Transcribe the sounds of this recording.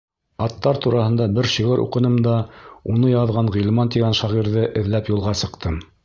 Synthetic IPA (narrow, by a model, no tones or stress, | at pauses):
ɑt̪ːɑɾt̪uɾɑhɤ̆nd̪ɑbɘɾʃiʁɘɾʔṵqɤ̆nɤ̆md̪ɑunɤjɑðʁɑɴʁilˠmɑnt̪iɡænʃɑʁiɾðɤʔɘ̆ðlæpjulˠʁɑsɤ̆qt̪ɤm